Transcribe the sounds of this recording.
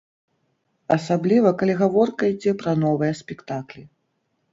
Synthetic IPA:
ɐsablʲivɐkalʲiɣavɔrkɐid͡zʲɛpɾɐnɔvɨjɐsʲpʲɛkt̪aklʲi

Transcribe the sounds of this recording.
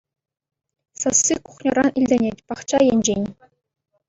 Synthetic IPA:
sɤsːikuχnʲɤ̆rɑnilʲdʲɘ̆nʲetʲpɑχt͡ɕɑjenʲd͡ʑenʲ

